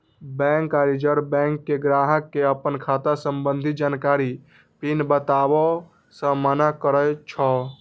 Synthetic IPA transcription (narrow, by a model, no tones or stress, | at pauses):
bɛ̃ŋkaɾid͡ʒəɾbɛ̃ŋkːeɡɾaːɦəkːeəpənkʰaːt̪asəmbə̃nd̪ʱid͡ʒaːnkaːɾi | pinbət̪aːbɔ | sə̃mənakəɾəjt͡ʃʰɔ